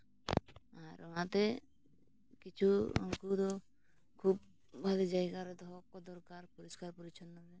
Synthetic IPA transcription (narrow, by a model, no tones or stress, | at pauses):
aɾɔnat̪ɛ | kit͡ʃʰuɔ̰ŋkud̪ɔ | kʰub̚ | bʱalid͡ʒajɡaɾɛd̪ɔɦɔkɔd̪ɔɾkaɾpuɾɔskaɾpuɾit͡ʃʰɔnːabɛ